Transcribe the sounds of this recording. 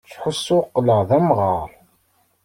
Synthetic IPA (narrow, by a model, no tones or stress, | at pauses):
t͡sːħusːʊqːləʁðæmʁɑɾˤ